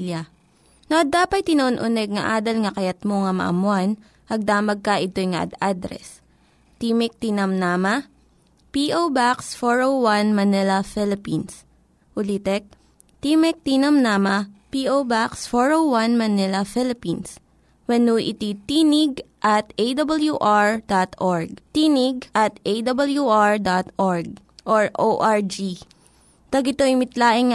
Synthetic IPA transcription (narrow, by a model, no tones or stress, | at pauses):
lɐ | noʔɐd̪aːpɐt̪̚tːɪnɐʔonʔʊnɛɡ̚ŋɐʔaːd̪ɐlŋɐkɐjɐt̪̚moŋɐmɐ̰ʔɐ̰mʊan | ɐɡ̚d̪aːmɐɡ̚kɐʔɪt̪ojŋɐ̰ʔɐ̰d̪ad̪ɾɛ̰s | t̪iːmɪk̚t̪inɐmnaːmɐ | piːʔowbaksfoɹowanmɐnɛlɐfɛlɪpins | ʔʊlit̪ɛk̚ | t̪imɛk̚t̪inɐmnaːmɐpiʔowbaksfoɹowwɐnmɐnɛlɐfɪlɪpins | wɐnuʔɪ̰t̪it̪iːnɪɡ̚ʔɐt̪ejd̪ɐbɐljuʔaɹd̪at̪ʔɔɹɡ̚t̪iːnɪɡ̚ʔɐt̪ejd̪ɐbɐljuʔaɹd̪at̪ʔoɹɡ̚ | ʔoɹʔoʔaɹd͡ʒi | t̪ɐɡɪt̪oɪmɪt̪laːʔɪŋ